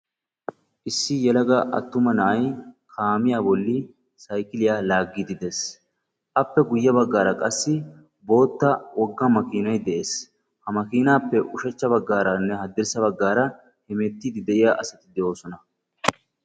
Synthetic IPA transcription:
ʔɪsːɪjɛlɐɡɐʔɐ̰t̪ːʊmɐnɐʔɐjkʰaːmɪjaːbɔlːi | sɐjkɪlɪjaːlaːɡːiːd̪ɪd̪es | ʔɐpːɛɡʊjːɐbɐɡːaːɾɐkʼɐsːɪ | bo̞ːt̪ːɐwɔɡːɐmɐkiːnɐjd̪ɛʔeːs | hɐmɐkiːnaːpːɛʔʊʃɛt͡ʃːɐbɐɡːaːɾɐnːɛɦɐd̪ːɪɾsɐbɐɡːaːɾɐ | hɛmeːt̪ːiːd̪ɪd̪ɛʔɪjaːʔɐsɐt̪ɪd̪ɛʔo̞ːsɔnɐ

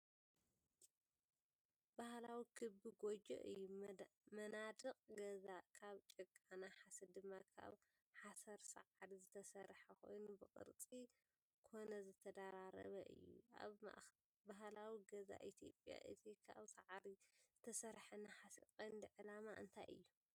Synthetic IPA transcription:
bahlawikʰɨbɨɡod͡ʒo̰ʔɨjːumɐnad̪ɨqʼɡɐzakʰaβt͡ʃʼɨkʼːanaħasɐd̪ɨmːakʰa̰β | ħasɐɾsɐ̰ʕad̪izɨt̪ʰɐsɐɾħɐkʰo̞̰jnubɨkʼɨ̰ɾt͡sʼi | kʰo̞nɐzɨt̪ʰɐd̪aɾaɾɐ̰βɐʔɨ̰jːṵʔa̰β̰ | baɦlawiɡɐza̰ʔit̪ʰijo̞̰pʼja̰ʔɨt̪ʰikʰa̰βsaʕad̪izɨt̪ʰɐsɐɾħɐnaħasikʼojnd̪ɨʕɨlamaʔɨ̰nt̪ʰajʔɨ̰jːu

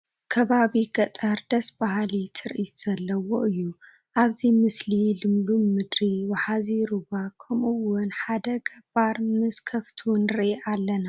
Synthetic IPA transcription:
kʰɐβaβiɡɐt̪ʼɐɾd̪ɐsbahalit̪ʰɨɾʔit̪z̥ɐlːɐwoʔɨjːu | ʔaβzimɨslilɨmluːɨd̪ɾiwɐħaziɾubakʰɐmɨwʊnħad̪ɐɡɐbaɾmɨz̥kʰɐft̪ʰunɾɨʔiʔalːɐna

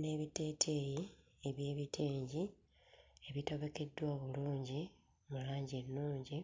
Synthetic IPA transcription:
ne̞βite̞ːtʰeji | eβjeːβitʰeːɲɟi | e̞βito̞βeke̞dːwaːβuluːɲɟi | mulaːɲɟenːuːɲɟi

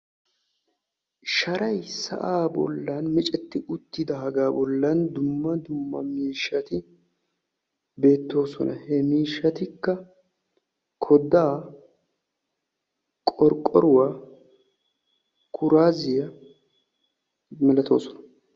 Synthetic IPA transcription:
ʃɐɾʔɐjsɐ̰ʔaːbɔ̰lːanmɛt͡ʃʼɛt̪ːɪʔʊt̪ːɪd̪ɐɦɐɡaːbɔlːand̪ʊmːɐd̪ʊmːɐ̰miːʃːɐt̪ɪ | be̞ːt̪ːo̞ːsɔ̰nʔɐ̰hɛmiːʃːɐt̪ɪkːɐ | kʰɔd̪aː | kʼɔɾkʼːɔɾʊwaː | kʰʊɾaːzɪjɐ | mɛlɐt̪ʰo̞ːsɔnɐ̥

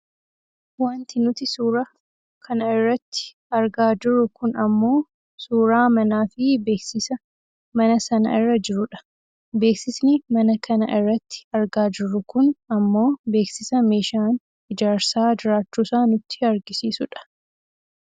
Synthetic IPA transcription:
waːnt̪ɪnʊt̪ɪsuːɾɐ | kʰɐnɐɪrːɐt̪ːɪ̥ | ɐɾɡaːd͡ʒɪɾːʊkʊnɐmːo̞ː | suːɾaːmɐnaːfɪbe̞ːksɪsɐ | mɐnɐsɐnɐ̰ɪrːɐd͡ʒɪɾʊᶑɐ̥ | be̞ːksɪsnɪmɐnɐkɐnɐʔɪrːɐt̪ːɪ̥ɐɾɡaːd͡ʒɪɾːʊkʊnɐmːo̞ːbe̞ːksɪsɐme̞ːʃaːn | ɪd͡ʒaːɾsaːd͡ʒɪɾaːt͡ʃːuːsaːnʊt̪ːɪ̥ɐɾɡɪsiːsʊᶑɐ̥

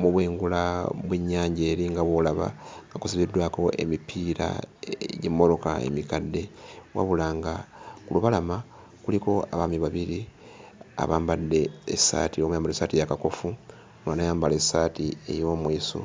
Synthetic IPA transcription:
muβweːŋɡulaβweɲːaːɲɟe̞ːɾiŋɡaβwolaβa̰ŋɡakusiβidːwaːko̞ʔe̞̰mipʰiɾa̰ɟemːo̞lo̞ka̰ḛmikadːe̞wa̰βulaːŋɡakuluβalama | kuliko̞a̰βamiβaβiɾi | a̰βaːmbadːe̞ːsa̰ːtiomujaːmbalesatijakako̞fu | mwaːnajaːmbale̞satie̞̰jo̞ːmwiːso̰

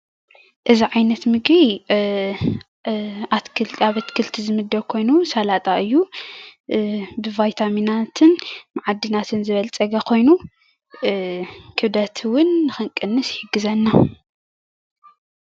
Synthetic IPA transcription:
ʔɨziʕajnɐt̪mɨɡi | ʔat̪kʰɨlaβɐt̪kʰɨlt̪ʰizɨmɨd̪ːɐwkʰo̞jnusalat̪ʼaʔɨjːu | bɨvajt̪ʰaminat̪ʰɨnmaʕad̪ːɨnat̪ʰɨnzɨβɐlt͡sʼɐɡakʰo̞jnu | kʰɨβd̪ɐt̪ʰwʊnːɨxɨŋkʼɨnːɨsħɨɡɨzɐnːa

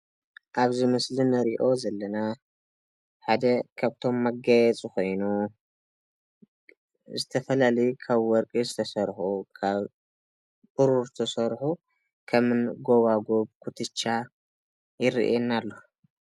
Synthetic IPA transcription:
ʔaβzimɨslinɐɾiʔo̞zɐlːɐna | ħad̪ɐkʰaβt̪ʰo̞mːɐɡajɛt͡sʼiko̞jnu | zɨt̪ʰɐfɐlalɐjukʰaβwɔɾkʼizɨt̪ʰɐsɐɾħukʰaβ | bɨɾuɾɨt̪ʰɐsɐɾħu | kʰɐmɨnɡo̞βaɡo̞βkʰut̪ʰɨt͡ʃːa | jɪɾḭʔenːalːo

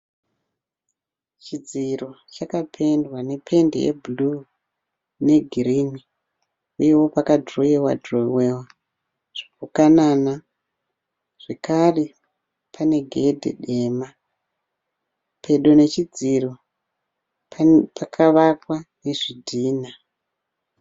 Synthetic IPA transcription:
t͡ʃid͡zirot͡ʃakapʰe̞ndwane̞pʰe̞ndḛjḛbulu | ne̞ɡʱirini | uje̞wo̞pakadroewa̰drowewa | ʐ̥ikukanana | ʐ̥ekare | pʰane̞ɡʱe̞dʱḛɗe̞ːma | pʰe̞ɗone̞t͡ʃid͡ziro | pakʰaʋakwane̞ʐidʱiːna

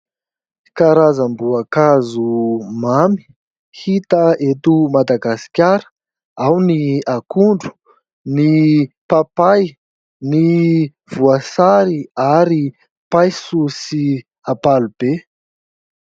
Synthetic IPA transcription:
kaɾazəmbuakazumami̥ | hit̪əet̪umad̪aɡasi̥kʲaɾə̥ | awniakuɳɖ͡ʐu̥ | nipapaj | ni | v̥uasaɾiaɾi | pajsusi | apalub̥e

